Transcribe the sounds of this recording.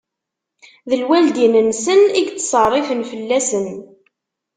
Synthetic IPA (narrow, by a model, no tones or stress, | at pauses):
ðəlwæld̪inənsəniɡt͡sːsˤərˤːifənfəlːæsən